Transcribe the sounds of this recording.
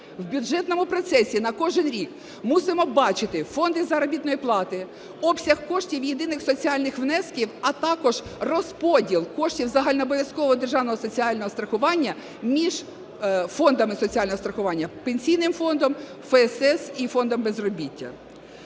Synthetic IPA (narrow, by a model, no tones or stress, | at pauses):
wbʲʊd͡ʒɛt̪nɔmʊpɾɔt̪sɛsʲinɐkɔʒɪnɾʲik | musɪmɔbɑt͡ʃɪt̪ɪfɔnd̪ɪzɐɾɔbʲit̪nɔjiplˠɑt̪ɪ | ɔpsʲɐhkɔʃtʲiwjed̪ɪnɪxsɔt͡sʲiɑlʲnɪxʋnɛskʲiwɐt̪ɑkɔʒrɔspɔdʲilˠkɔʃtʲiwzɐɦɑlʲnɐɔbɔʋʲjɐskɔʋɔɔd̪erʒɑwnɔɦɔsɔt͡sʲiɑlʲnɔɦɔst̪ɾɐxʊʋɑnʲːɐ | mʲiʒ̥ | fɔnd̪ɐmɪsɔt͡sʲiɑlʲnɔɦɔst̪ɾɐxʊʋɑnʲːɐpenʲsʲijnɪmfɔnd̪ɔm | fɛɛsɛsifɔnd̪ɔmbezrɔbʲitʲːɐ̰